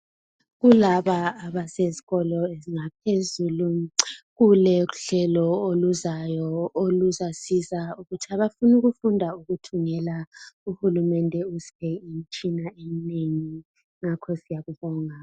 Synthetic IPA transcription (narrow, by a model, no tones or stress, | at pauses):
ɣulaβaːβaseziɣɔlɔeziŋapʰezuluɣulɛuɬɛlɔoluzajɔoluzasizauɣutʰiaβafunuɣufundʱauɣutʰuŋɛlauhulumɛndʱɛusi̥ɛint͡ʃʼinaemineŋi | ŋakʰɔsijaɣuβɔŋa